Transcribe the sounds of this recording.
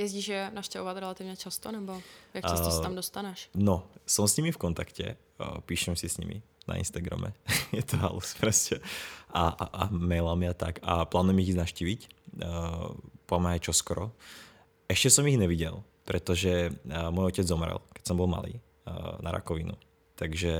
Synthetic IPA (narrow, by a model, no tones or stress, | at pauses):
jɛzɟiːʒʒɛnaʃcɛɔʋat̪ɾɛlat̪ivɲɛt͡ʃast̪ɔnɛbojakɛsasamdɔst̪anɛʃnɔsɔmsɲimifkɔnt̪akcɛ̰ | piːʃɛmsisɲḭmḭ | na̰ḭnst̪aɡɾa̰mɛ̰jɛt̪ɔɦa̰lṵspɾɛscʰɛaamɛjlamiat̪akaplaːdnɛmiɣiznaʃciːʋic | pɔamɛajt͡ʃɔskɔɾɔ | ɛʃcɛsɔmiɣɲɛʋiɟɛlˠ | pɾɛt̪ɔʒɛmɔjɔcɛd͡zzɔmɾɛ̰lkɛ̥csɔmbɔlˠma̰lḭː | na̰ɾa̰kɔʋinṵ | t̪aɡʒɛ